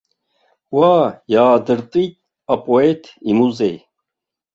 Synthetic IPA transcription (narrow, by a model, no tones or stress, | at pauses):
waːjaːd̪ɨɾt̪ʼit̪̚ | ɐpʼoet̪ʰimuze